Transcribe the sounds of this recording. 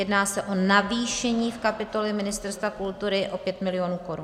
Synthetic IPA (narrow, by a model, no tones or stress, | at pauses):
jɛdnaːsɛʔo̞naviːʃɛɲiːfkapɪt̪o̞lɛmɪnɪst̪ɛɾst̪vakult̪uɾɪʔo̞pjɛt̪mɪlɪjoːnuːko̞ɾun